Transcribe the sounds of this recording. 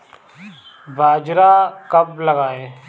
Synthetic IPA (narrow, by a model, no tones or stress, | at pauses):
bʱaːd͡ʒɾakɐblɐɡaːẽː